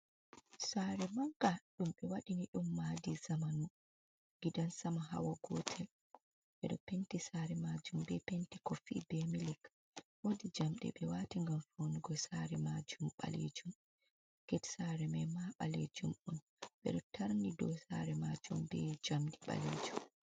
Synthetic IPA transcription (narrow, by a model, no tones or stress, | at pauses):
saɾɛmaŋkaɗumɓɛwaɗiniɗumːadizamanu | ɡidansamaɦa̰waɡɔ̰tʰɛl | ɓɛɗɔ̰pentisaɾɛmad͡ʒumbɛpentikɔfḭbɛmilɛk | wodid͡ʒamɗɛ̰ɓɛwatiŋɡamfoniɡɔsaɾɛmad͡ʒumɓa̰lḛd͡ʒum | ɡ̥ɛtsaɾɛmɛmaɓalḛd͡ʒumɗun | ɓɛ̰ɗɔtʰaɾnidɔsaɾɛmad͡ʒumbɛd͡ʒamɗiɓa̰led͡ʒum